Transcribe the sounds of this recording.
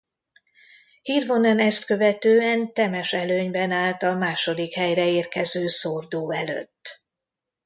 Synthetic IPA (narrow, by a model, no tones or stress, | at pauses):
hiːrvo̞nɛnɛst̪kø̞vɛt̪øːɛnt̪ɛmɛʃɛløːɲbɛnaːlt̪ɒlmaːʃo̞d̪ikhɛjrɛeːrkɛzøːsord̪oːɛlø̰t̪ː